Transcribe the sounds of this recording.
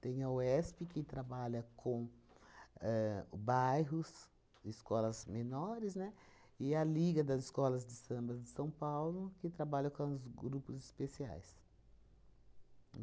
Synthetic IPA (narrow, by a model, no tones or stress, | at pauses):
t̪ẽj̃ɐoɛspɪkɪt̪ɾabaʎɐkʰõ | ɛbajɦʊs | ɪskɔlɐzmenɔɾɪznɛ | ɪɐliɡɐd̪ɐzɪskɔlɐzd̪ɪsɐ̃mbɐzd̪ɪsɐ̃w̃pawlʊkɪt̪ɾabaʎɐkõzɡɾupʊzɪspesia̰js